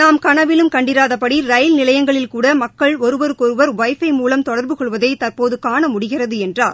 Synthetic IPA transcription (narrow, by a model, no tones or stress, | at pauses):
naːmkɐɳɐʋɪlɯmkɐɳɖɪɾaːðɐpːɐɽiɾɐjlnɪlɐjɐŋɡɐɭɪlkuːɽɐmɐkːɐɭɔɾɯʋɐɾkɔɾɯʋɐɾʋɐɪfɐɪmuːlɐmt̪ɔɽɐɾbɯkɔɭʋɐðɐɪt̪ɐrpoːðɯkaːɳɐmʊɽɪɣɪrɐðɯɛndraːɾ